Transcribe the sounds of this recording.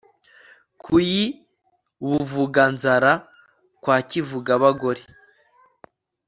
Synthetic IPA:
kʰuji | βuvuɡanzaɾa | kwaːcivuɡaβaɡoɾe

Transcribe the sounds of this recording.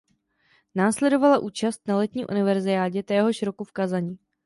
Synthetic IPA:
naːslɛdo̞valaʔuːt͡ʃast̪̚nalɛt̪ɲiːmʔṵnɪvɛɾzɪaːɟɛt̪ɛːɦo̞ʃɾo̞kufkazaɲiː

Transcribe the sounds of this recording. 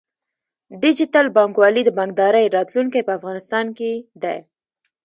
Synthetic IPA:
ɖɪd͡ʒɪtalbɑŋkwɑlid̪əbaŋɡ̚d̪ɑɾəjɾɑt̪luŋkajpəafɣɑnɪst̪ɑnked̪aj

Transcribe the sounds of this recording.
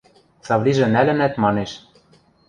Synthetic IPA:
t͡sɑvlʲiʒɘ̆nælɘ̆næt̪mɑneʃ

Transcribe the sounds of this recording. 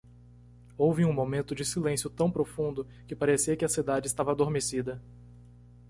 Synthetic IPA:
owvɪũmomẽnt̪ʊd͡ʒɪsilẽsjʊt̪ɐ̃w̃pɾofũnd̪ʊ | kɪpaɾesiɐkɪɐsid̪ad͡ʒɪst̪avɐad̪oɾmesid̪ɐ

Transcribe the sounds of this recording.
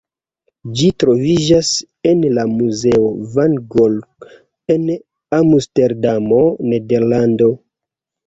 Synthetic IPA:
d͡ʒitɾo̞vid͡ʒas | enlamuze̞ovanɡolk | en | amusteɾdamo̞ne̞de̞ɾlando̞

